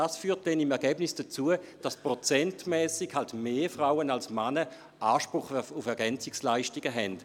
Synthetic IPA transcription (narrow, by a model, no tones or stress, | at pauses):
asfyːɐt̚d̥ɛnimɛɐʁɡɛːbnɪsd̥at͡suəd̥aspʁot͡sɛntmɛːsɪɡhaltmeːfʁaʊənalsmanə | ʔaːʃpʁʊχʊfɛɐɡɛnt͡sɪkslaɪʃtiɡəɦɛnd̥